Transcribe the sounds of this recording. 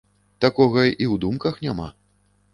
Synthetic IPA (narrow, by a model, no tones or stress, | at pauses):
t̪akɔɣɐiwd̪umkɐxnʲama̰